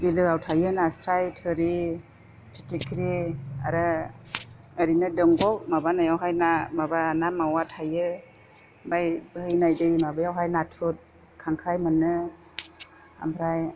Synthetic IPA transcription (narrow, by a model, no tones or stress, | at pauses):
bilɯawtʰajɯnasɾajtʰɯɾi | tʰitikʰɾia̰ɾɯ | əɾinɯdɯŋɡɔk̚mabanajawɦajnamabanamawatʰajɯ | bajbhɯjnajdɯjimabajawɦajnatʰut̚ | kʰaŋkʰajmɯnɯ | a̰mpʰɾaj